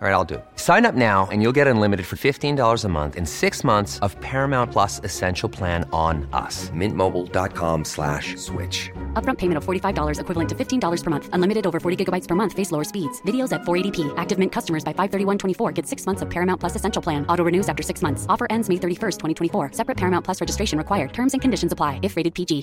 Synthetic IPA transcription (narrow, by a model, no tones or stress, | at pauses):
ɹaɪɾaɪlˠdɨ̰sãɪ̃nʌp̚naʊɨ̰̃njulˠɡɛɾə̃nlɪ̃mɨɾɨd̥fə˞fɪftĩndɔlˠə˞zəmʌ̰̃nθɨ̰̃nsɪksmʌ̃nθsʌv̥pʰɛɹɨmãʊ̃npʰl̥ʌsɨsɛ̃nʃl̩ˠpʰl̥æ̃ñnʌ̰smɪ̃nmoʊbl̩ˠdɑ̰t̚kʰɑ̰̃mslæ̰ʃswɪ̰t͡ʃʌp̚ɹʌ̃mpʰeɪmɨ̃ñtʌv̥fɔɹɾifaɪvdɔlˠə˞zɨkʰwɪvl̩ˠə̃ntʰɨfɪftʰĩndɔlˠə˞z̥pʰə˞mʌ̃nθə̃nlɪ̃mɨɾɨɾoʊvə˞fɔɹɾiɡɪɡəbaɪtspʰə˞mʌ̃nθfeɪsloʊə˞spidz̥vɪɾioʊzɨtfɔɹeɪɾipʰiʔæk̚tɨvmɪ̃nkʰʌstəmə˞zbaɪfaɪv̥θɜ˞ɾiwʌ̃ntʰw̥ɛ̃ifɔɹɡɛd̥sɪksmʌ̃nθsʌv̥pʰɛɹɨmãʊ̃npʰl̥ʌsɨsɛ̃nʃl̩ˠpʰl̥æ̃nɔɾoʊɹɨnʉzæftə˞sɪksmʌ̃nθsɔfə˞ʔɛ̃ndzmeɪθɜ˞ɾifɜ˞stʰwɛ̃ɾ̃itʰwɛ̃ifɔɹsɛpɹɨt̚pʰɛɹmãʊ̃npʰl̥ʌsɹɛd͡ʒɨstɹeɪʃɨ̃n̩ɹɨkʰwaɪə˞d̚tʰɜ̃˞mzɨ̃nkʰɨ̃ndɪʃn̩zəpʰl̥aɪɨfɹeɪɾɨd̚pʰid͡ʒi